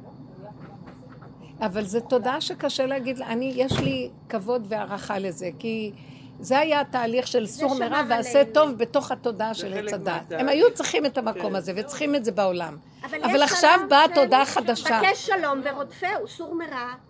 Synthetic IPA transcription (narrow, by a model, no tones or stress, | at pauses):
avalzeto̞daʃekaʃeleaɡid̪lanijeʃlikavo̞d̪ve̞aʁaχaleze̞ki | ze̞ajataːliχʃe̞lsuʁmeʁaveaset̪o̞vbe̞to̞χhato̞daʃe̞let͡sad̪at̪e̞majut͡sʁiχimetamako̞maze̞vet͡sχimetze̞baolam | vaavalaχʃavbato̞d̪aχad̪aʃaeʃalombeʁod̪feusuʁmeʁa